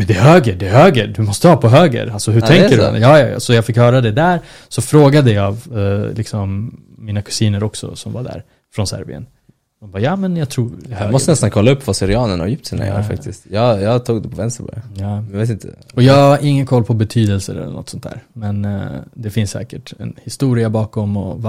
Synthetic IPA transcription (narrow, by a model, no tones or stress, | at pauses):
mɛnd̪ɛɦøːɡəɖɛɦøːɡəɖ̪ɵmɔst̪əhɑːpʰɔɦøːɡə̰ɾalsɔɦɵtʰɛŋkːəɾ̰jɑːjɑ̰ːj̰sɔjɑːɡfɪkhœːɾad̪ɛd̪æɾ | sɔfɾoːɡad̪əjɑɡlɪksɔmː | iːnakʰɵ̥siːnəɾɔksɔ̰sɔmvaɖ̪æ̰ɾ | fɾɔnsæ̰ɾbɪ̰ə̰n | hʊnbɑːjɑːmɛnjɑt̪ʰɾuːɾhøːmɔstənɛst̪ankʰɔlːaɵpːvasɪɾɪɑːnəɳha̰ɾjʏp̚t̪sina̰j̰ɾfa̰k̚t̪ɪst̪jɑjɑt̪ʰuːɡd̪ɛpʰɔvɛnst̪əɾpɔd̪ɛ̰nɛjveːt̪ɪnt̪ʰəɔjɑɡaɾʔɪŋːənkʰɔlːpʰɔbɛt̪ʰyːd̪ɛlsə̰ɾɛ̰lːə̰nɔ̰t̪sɔnt̪ʰæ̰ːɾmɛnd̪ɛfɪnsːɛ̰ːkəʈɛ̰nhɪst̪uːɾɪabɑːkɔmɔva